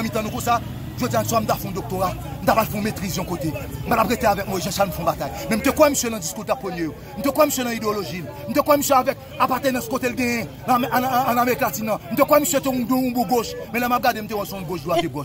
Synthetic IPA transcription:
mĩt̪ɐ̃nũkũsa | ʒod͡zijan̩sam̩t̪afɛ̃d̪ok̚t̪oʁam̩t̪apalfɛ̃met̪ʁizjɔ̃kot̪em̩palapɣet̪eavɛk̚moɣiʒɛ̃ʃalm̩fɔ̃bat̪ajmɛ̃m̩t̪ekwɛ̃misjønɐ̃d͡ziskutapːoljejo | m̩t̪ekw̃ɛ̃misjønãideoloʒil | m̩t̪̬ekwɛ̃misjøavɛk̚ | apat̪enɐ̃skot̪elɡɛ̃jɛ̃ː | nameʁiklatinãm̩t̪ekwɛ̃misjøt̪ɛ̃ũdũũbuɡoʃmɛ̃lɛmap̚ɡadem̩t̪̬ew̃ɛ̃sɔ̃ũɡoʃduaviɡoʃ

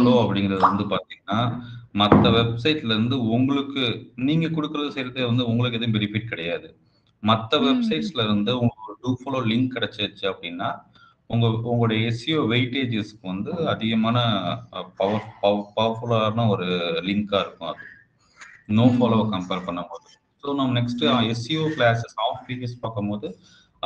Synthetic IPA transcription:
loːɐpːɐɽɪŋɡɪɾɐðɯɾɯnd̪ɯpaːɾt̪iŋɡɐnːaːmɐt̪ːɐʋɛbsɐɪʈːɪlɐɾɯnd̪ɯʊŋɡɐɭɯkːɯniːŋɡɐkɔɽɯkːɯɾɐðɯsɛjɾɐðeːʋɐnd̪ɯʊŋɡɐɭɯkːɛðɐjʊ̃bɪɾɪfiːʈ̚kɪɽɐjaːðɯ | mɐt̪ːɐʋɛbsɐɪʈslɐɾɯnd̪ɯʊŋɡɐɔɾɯʈuːfɐloːlɪŋkːɪɽɛt͡ʃːɐɐt͡ʃːɯɐpːɐɽɪnːaː | ʊŋɡɐʊŋɡɐɭɯɽɐjɐɛsijoːʋɐɪʈeːd͡ʒesɯ̥kːɯʋɐnd̪ɯɐðɪɣɐmaːnɐpɐʋɐpɐpɐːɐɾfɯlaɾnɐɔɾɯlɪŋkaːɪɾɯkːʊ̃ɐðɯ | noːbɐːlɐʋkɐmpeːɾpɐɳːɐmpoːðɯ | soːnɐːmɐnɛksʈɯɛsɪjoːflaːssɐːmpiːd͡ʒɐspaːkːɐmpoːðɯ

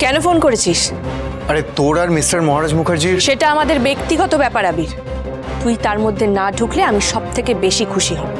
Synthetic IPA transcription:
kɛnofonkoɾet͡ɕʰiʃ | aɾet̪oɽaɾmisʈaɾmɔɦaɾad͡ʑmukʰaɾd͡ʑiɾʃeʈaamad̪eɾbekt̪iɡɔt̪obɛpaɾabiɾ | t̪ujt̪aɾmod̪ʱːenaɖʱukleamiʃɔb̚t̪ʰekebeʃikʰuʃiɦɔ

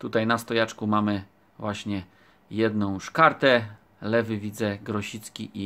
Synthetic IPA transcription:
t̪ut̪ajnast̪ɔjat͡ʂkumamɘ | vwaɕɲɛ | jɛd̪nɔ̃w̃ʂkaɾt̪ɛ | lɛvɘvʲid̪zɛɡɾɔɕit̪skʲiʔi

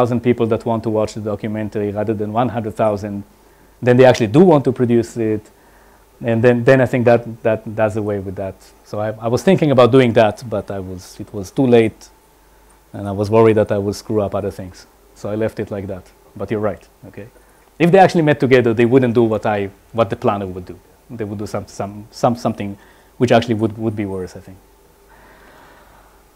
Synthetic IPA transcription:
θaʊzə̃nd̚pipl̩ˠd̪ætʰwɑ̃ntːuwɑt͡ʃðədɔkjumɛ̃ntəɹiʁæðə˞dɛ̃nwãnɦãndɹəd̪θaʊzə̃nd | d̪ɛ̃nd̪eɪækt͡ʃʉəliduwɑ̃ntupʰɹɔdjusɪt | ɛ̃nd̪ɛ̃nd̪ɛ̃najθɪ̃ŋk̚d̪ætd̪ætdʌzəweɪwɪðæt | soʊaɪajwʌz̥θɪ̃ŋkɪ̃ŋəbat̚duɪ̃ŋðætbataɪwʌzɪtʰwʌztuleɪt | ɛ̃naɪwʌzwɜɹid̪̚ðætaɪwʊdskɹuʌpʌðə˞θɪ̃ŋz̥ | soʊaɪlɛftɨtʰlaɪk̚ðæt | b̥ʌtjɔ˞ɹaɪt | okʰeɪ | ɨfd̪eɪæk̚t͡ʃʉl̩ˠimɛtʰːɨɡɛðə˞ðeɪwʊdⁿn̩td̥uwʌtaɪ | wʌt̪̚d̪əplænəwʊdu | d̪eɪwʊdusʌ̃msʌ̃msʌ̃msʌ̃mθɪ̃ŋ | wɨt͡ʃæk̚t͡ʃʉl̩ˠiwʊd̚wʊd̚biwɜ˞saɪθɪ̃ŋk

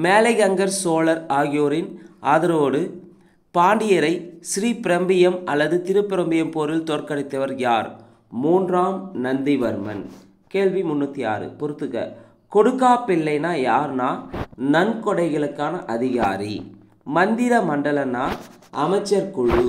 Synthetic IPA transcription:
meːlɐɪɣɐŋɡɐɾsoːlɐɾaːɣɪjoːɾɪnʔaːðɐɾoːɽɯ | paːɳɖɪjɐɾɐɪsɪɾiːpɪɾɐmbɪjɐmɐlːɐðɯt̪ɪɾɯpːɪɾɐmbɪjɐmpoːɾɪlt̪ɔːrkɐɽɪt̪ːɐʋɐɾjaːɾ | muːndraːmnɐnd̪ɪʋɐɾɯmɐ̰n | keːɭʋimʊnːut̪ːija̰ːɾɯ̰pɔɾɯt̪ːɯɣɐ̰ | kɔɽɯkːaːpːɪlːɐɪnaːjaːɾnaːnɐnkɔɽɐɪɣɐɭɯkːaːnɐʔɐðɪɣa̰ːɾḭ | mɐnd̪ɪɾɐmɐɳɖɐlɐnaː | ʔɐmɐɪt͡ʃːɐɾkʊɭɯ

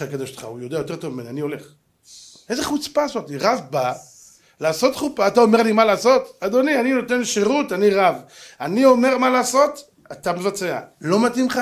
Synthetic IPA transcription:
akad̪oʃtχa̰ujo̞d̪eajo̞t̪̬e̞ʁt̪ovmimenanio̞le̞χ | e̞zeχut͡spasotiʁavba | laːso̞t̪χupaːt̪ao̞me̞ʁlimalaːso̞t̪ad̪o̞nianino̞te̞nʃeʁutaniʁavanio̞me̞ʁmalaːso̞t̪ | at̪amevat͡se̞a̰lo̞matimχa

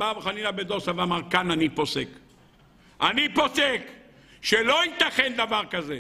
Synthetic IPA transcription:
abχanilabed̪osavamaʁkananiposek | ʔanipo̞sek | ʃelo̞it̪aχend̪avaʁkaze

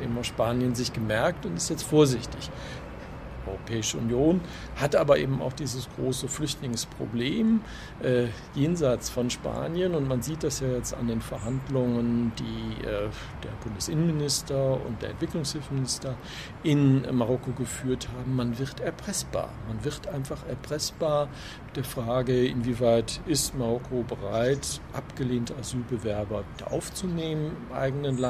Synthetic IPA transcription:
eːbm̩aʊʃpaːnjənzɪçɡ̥əmɛɐk̚tʊntɪstjɛt͡stfoːɐzɪçtɪç | ʔɔʏʁopʰɛːɪʃəʊ̰njoːn | hatʔaːbɐʔḛːbm̩a̰ʊxd̥iːzəsɡ̥ʁoːsəflʏçtlɪŋspʁ̥o̰bleːm | ʔɛː | jeːnzaɪt͡sfɔnʃpa̰ːnjənʊntmanziːt̚d̥asjaːjɛt͡sta̰ndeːnfɛɐɦandlʊŋəndiːʔɛː | d̥eːɐbʊndəsʔɪnənmɪnɪstɐʊ̰ntd̥eːɐɛntv̥ɪklʊŋshɪlfmɪnɪstɐ | ʔɪnmaʁɔkoɡəfyːɐthaːbm̩ːanvɪʁtɛɐpʁ̥ɛsb̥a̰ːɐmanvɪɐtʔaɪnfaχɛɐpʁ̥ɛsb̥aːɐ | d̥eːɐfʁ̥aːɡəɪ̰nviːvaɪtɪstmaʁɔkʰobəʁaɪtʔa̰pɡ̥əleːntəazyːlbəvɛɐbɐd̥a̰ːʔa̰ʊft͡suneːmənɪmʔa̰ɪɡn̩ənla

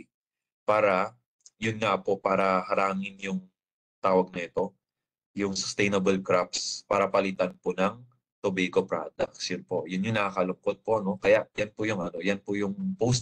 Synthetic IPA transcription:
paːɾɐ | jʊnŋapo̞ʔpaːɾɐhɐɾaːŋɪnjʊŋ | t̪aːwɐɡ̚nɐɛt̪o̞ | jʊŋsʊ̥st̪ɛjnɐbɐlkɾap̚spaːɾɐpɐlɪt̪anponɐŋ | t̪obikopɾa̰ːd̪ɐk̚tsjʊnpo̞ʔjʊnjʊŋnɐakɐlʊŋkod̪̚poʔɐno̞kɐjaʔjanpʊjʊŋɐno̞janpʊjʊŋpows

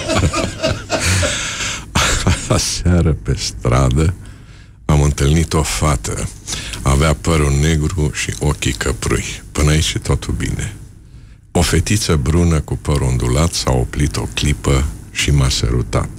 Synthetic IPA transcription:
aaseaɾəpe̞st̪ɾad̪ə | amɨnt̪ɨlnit̪o̞fat̪ʰə̰aveapəɾune̞ɡɾuʃḭʔokʲikʰəpɾṵjpɨnait͡ʃit̪ʰot̪ʰulbḭne | o̞fe̞t̪it̪səbɾunəkupəɾund̪ulat̪sao̰plit̪o̞̰klipəʃimasə̰ɾṵt̪a̰t̪

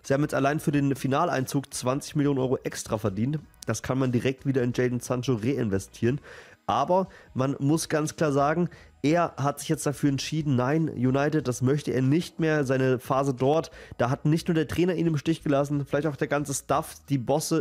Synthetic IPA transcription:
z̥iːhaːbm̩jɛt͡stʔalaɪnfyːɐdeːnfinaːla̰ɪnt͡suːkt͡sv̥ant͡sɪ̥çmɪljoːnənɔʏʁoʔɛkstʁ̥afɛɐdiːntd̥askʰanmandiʁɛk̚tv̥iːdɐɪnd͡ʒɛɪdnsant͡ʃoʁeːɪnvɛstʰiːʁənʔaːbɐmanmʊsɡ̥ant͡skl̥aːɐzaːɡŋ̩ | ʔeːɐɦatz̥ɪçjɛt͡std̥afyːɐɛntʃiːdn̩naɪnjunaɪtɪt̚d̥asmœçtəʔḛːɐnɪçtmeːɐzaɪnəfaːzədɔɐtd̥aːɦat̚nɪçtnuːɐdeːɐtʁ̥ɛːnɐʔiːnɪmʃtɪçɡ̥əlas̬n̩fɪlaɪçtaʊxd̥eːɐɡant͡səstafd̥iːbɔsə

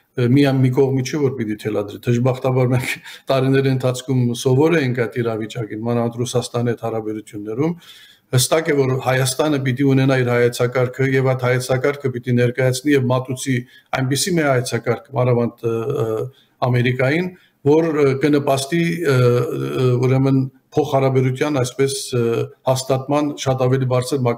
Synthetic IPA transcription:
mijɑnmik̬ɔʁmit͡ʃʰɛvɔɾpit̪it̪ʰɛlɑd̪ɾit̪ʰəʒbɑχt̪ɑbɑɾmɛŋkʰt̪ɑɾinɛɾiənt̪ʰɑt͡sʰkʰumsɔvɔɾɛjiŋkʰɑjt̪ʰiɾɑvit͡ʃɑkinmɑnɑɑnt̪rusɑst̪ɑniɛt̪hɑɾɑbɛɾut͡s̪ʰjunːɛɾum | həst̪ɑkɛvɔɾhɑjɑst̪ɑnəp̬it̪iunɛnɑiɾhɑjɛt͡sʰɑkɑɾkʰəjɛvɑjt̪hɑjɛt͡sʰɑkɑɾkʰəpit̪inɛɾkɑjɑt͡sʰnijɛvmɑt̪ut͡sʰi | ɑjnpisimɛhɑjɛt͡sʰɑkɑɾkʰəmɑnɑvɑnt̪ʰ | ɑmɛɾikɑjin | vɔɾkənəpɑst̪i | uɾɛmən | pʰɔχhɑɾɑbɛɾut̪ʰjɑnɑjspɛshɑst̪ɑt̪mɑnʃɑt̪ɑvɛlibɑɾt͡sʰəɾmɑ

